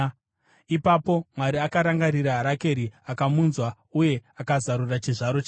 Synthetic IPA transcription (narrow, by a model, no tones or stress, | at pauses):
ipapo̞mwaɾiakaɾaŋɡaɾiɾaɦaɾake̞ɾiakamunzwa | uje̞akazaɾurat͡ʃiʐaɾo̞t͡ʃː